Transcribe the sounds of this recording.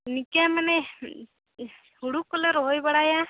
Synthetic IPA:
nikamane | huɽukɔleɾɔɦojbaɽaja

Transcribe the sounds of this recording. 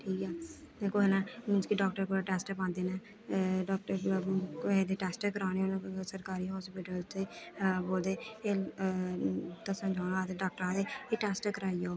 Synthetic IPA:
ʈʰiːkɛː | d̪eːkʰoːɦeːnãːmɪ̃nd͡ʒkiɖɔːk̚ʈəɾkoɾaʈɛːsʈpãːnd̪eːnɛː | ɖɔːk̚ʈəɾ | ed̪eːʈɛːsʈkəɾaːneːnsəɾkaːɾiːɦɔːspɪʈəlt̪eboːld̪eːeː | t̪ãːsəmd͡ʒʱaːɽ̃aːt̪eɖaːk̚ʈəɾãːd̪eːeːʈɛːsʈkəɾaːiːjoː

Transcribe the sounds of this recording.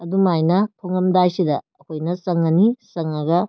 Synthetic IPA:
ɐdumajnɐtʰoŋɐmdajsidɐːkʰojnɐsɐŋɐnisɐŋɐɡɐ

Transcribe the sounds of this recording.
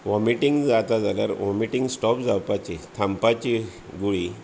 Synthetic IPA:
ʋɔmiʈiŋɡd͡zat̪ad͡zalaɾʋɔmiʈiŋɡsʈɔpd͡zapat͡ɕet̪ʰãmpat͡ɕi | ɡuɭi

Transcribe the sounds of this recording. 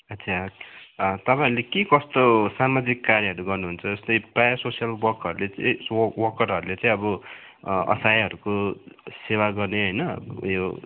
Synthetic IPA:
ʌt͡sʰa | t̪ʌpaĩɾlekekʌst̪osamad͡zikːaɾjʌɦʌɾuɡʌrnuɦunt͡sʰʌd͡zʌst̪ʌjprajʌsosijʌlbʌrkʌɾulet͡sʌj̃wʌkʌɾɦʌɾulet͡sʌ̃ĩʌbʌ | ʌ̰sajɦʌɾukosewaɡʌrneɦʌjnʌjo

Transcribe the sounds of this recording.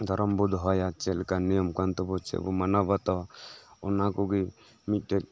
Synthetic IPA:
d̪ʱɔɾɔmbɔd̪ɦɔjat͡ʃɛlkanijɔmkant̪ɔbɔt͡ʃɛ̰bɔ̰manabat̪ɔɔnakɔɡi | mit̪̚ʈɛk̚

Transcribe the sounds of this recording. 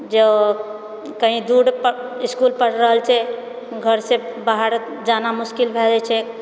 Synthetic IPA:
d͡ʒə | kəɦĩd̪uɽpəiskulpəɽɾəɦəlt͡ʃʰɛ | ɡʱəɾsẽbaɦəɾ | d͡ʒanamuskilbʱɛd͡ʒɛt͡ʃʰɛ

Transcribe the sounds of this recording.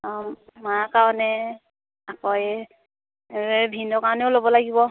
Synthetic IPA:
makaɹɔnɛ | akɔjɛ | bʱinɔkaɹɔnɛʊlobɔlaɡibɔ

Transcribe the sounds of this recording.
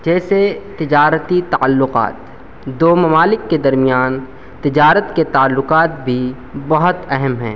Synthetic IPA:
d͡ʒɛːset̪ɪd͡ʒaːɾət̪it̪a̰ːlːʊqa̰ːt̪ | d̪oːmɐmaːlɪkːed̪ɐɾmijaːn | t̪ɪd͡ʒaːɾət̪ket̪aːlːʊqaːt̪̚bʱi | bɐɦʊt̪ɛɦɛmɦɛ̰̃ː

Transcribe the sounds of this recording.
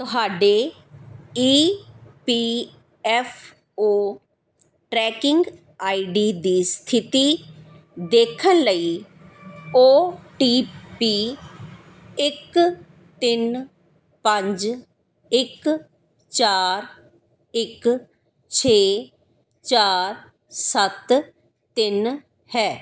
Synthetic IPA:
t̪ʊɦaːɖeː | iːpiː | ɛːfʰ | oː | ʈɾɛːkɪŋɡ | aːiɖiːd̪iːst̪ʰɪt̪iː | d̪eːkʰənləiː | oːʈiːpiː | ɪk | t̪ɪn | pə̃ɲd͡ʒ | ɪk | t͡ʃaːɾ | ɪk | t͡ʃʰeː | t͡ʃaːɾ | sət̪ | t̪ɪn | hɛː

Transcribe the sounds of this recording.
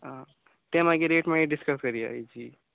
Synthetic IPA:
ã | t̪emaɡeɾeʈmẽiɖiskəskəɾia̰id͡ʒi

